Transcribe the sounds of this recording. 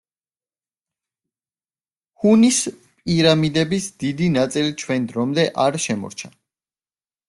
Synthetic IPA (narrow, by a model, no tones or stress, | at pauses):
hunis | pʼiɾamid̪ɛbisd̪id̪inat̪sʼilit͡ʃʰwɛnd̪ɾɔmd̪ɛʔaɾʃɛmɔ̰ɾt͡ʃʰa